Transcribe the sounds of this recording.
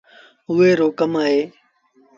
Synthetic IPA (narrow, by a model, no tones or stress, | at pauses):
ʊːeːɾoːkəmaːɦeː